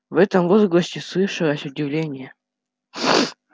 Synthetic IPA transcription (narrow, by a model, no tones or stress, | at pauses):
vɛt̪əmvozɡlˠɐsʲtʲɪslˠɨʂɨlˠəsʲʊdʲɪvlʲenʲɪjə